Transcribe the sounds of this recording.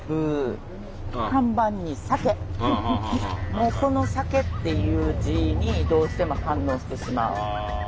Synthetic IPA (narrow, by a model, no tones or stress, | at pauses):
bɯ̟ | kãmbãɲ̟ːisake̞ | moːso̞no̞sake̞t̪ːe̞jɯ̟ːʑiɲ̟id̪o̞ːɕi̥t̪e̞mo̞hãnːo̞ːɕi̥t̪e̞ɕima̰ɯ̰